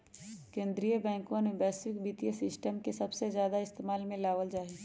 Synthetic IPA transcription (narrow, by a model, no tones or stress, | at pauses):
kẽːnd̪ɾijəbɛ̃ːŋkõnebɛːswɪkbiːt̪ijəsɪsʈəmkesɐbsezjaːd̪aɪst̪eːmaːlmẽlaːʋəld͡ʒaːe